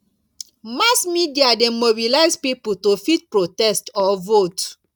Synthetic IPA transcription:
masmidiademobilaɪzpiputofit̚pɹotɛstɔvot

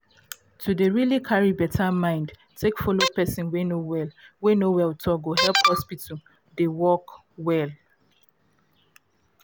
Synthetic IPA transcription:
tʰudəɹilikʰaɹibɛtʰamãɪ̃nd | tʰekfɔlopɛsĩnwenowɛwenowɛwtʰɔɡohɛlˠphɔspita | dewɔk | wɛl

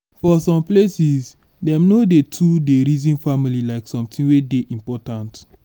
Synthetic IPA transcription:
fɔsɔ̃mplesiz | dɛ̃mnodetʰudeɾizĩnfamililaɪksɔ̃mtʰĩnwedeʔĩmpɔtãnt

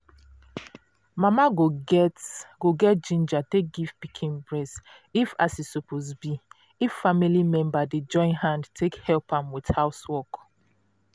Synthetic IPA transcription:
mamaɡotɡoɡɛt̚d͡ʒĩnd͡ʒatek̚ɡiv̥pikʰĩnbɹɛs | ifasisɔpʰozbi | ifːamilimɛ̃mbaded͡ʒɔ̃ɪ̃nhãndtʰekhɛlpãmwithaʊswɔk

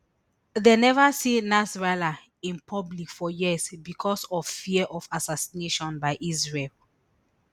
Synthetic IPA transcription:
ðenɛvasinasɹala | ĩnpʰɔblikfɔjiəzbikʰɔsɔvfiɛʔɔvasasineʃɔ̃nbaɪʔizɹel

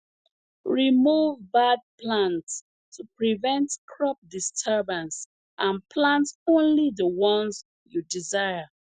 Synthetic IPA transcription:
ɹimuvbad̚plãnts | tʰupɹivɛ̃ntkʰɹɔp̚distʰəbãns | ʔãnpʰlãntõnliðəwɔ̃nz | judizaɪə

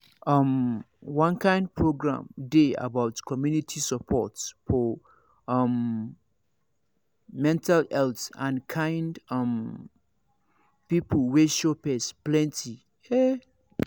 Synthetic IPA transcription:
ʌ̃m | wɔ̃nkʰãɪ̃nd̚pʰɹoɡɹã̰mdea̰baʊtkʰɔmjunitʰisəpʰɔtsfɔ | ʌ̃m | ɛ̃ntʰalɛltãnkʰãɪndʌ̃m | pipʰəl̩weʃopɛsplɛ̃ntʰi | e

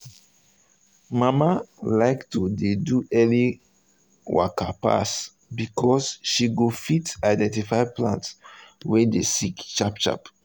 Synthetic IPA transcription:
mamalaɪktudeduʔɛli | wa̰kʰapa̰s | bikʰɔsʃiɡofitaɪdɛ̃ntifaɪplã̰ntswɛdesikt͡ʃapt͡ʃa̰p

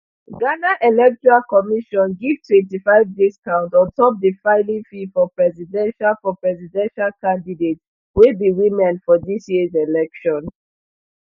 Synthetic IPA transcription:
ɡanaʔelɛk̚tɔɹalkɔmiʃɔ̃nɡivtʰwɛ̃ntifaɪvdiskãʊ̃ntɔ̃ntɔp̚difaɪlĩŋfifɔpɹɛzidɛ̃nʃalfɔpɹɛzidɛ̃nʃalkãndidet | widiwimɛ̃nfɔdisjizelɛkʃɔ̃n

